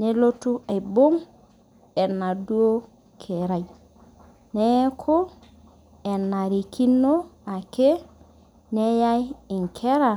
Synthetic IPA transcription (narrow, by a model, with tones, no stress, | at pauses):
ne˨lo˦tu˦a˨jbo˦ŋ | e˨nːa˨du˦o˦ | kʰe˨ɾa˨j | ne˦kʰo˦ | e˨nːa˨ɾi˨ki˦nːo˦a˨ke˦ | ne˦ja˦ji˨ŋkʰe˦ɾa˨